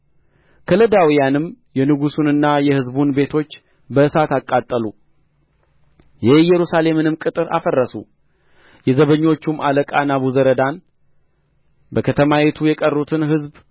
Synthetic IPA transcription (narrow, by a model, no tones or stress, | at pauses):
kʰələd̪awijanɨmjɛnɨɡusunɨnːajɛhɨzbunbe̞t̪ʰo̞t͡ʃː | bəɨsat̪akʼːat̪ʼːəlu | jɛhjɛɾusale̞mɨnɨmkʼɨt̪ʼɨɾʔa̰fərːəsṵ | jɛzəβəɲːo̞t͡ʃːumaləkʼanaβuzəɾəd̪an | bəkʰət̪ʰəmajet̪ʰujɛkʼərːut̪ʰɨnɦɨzb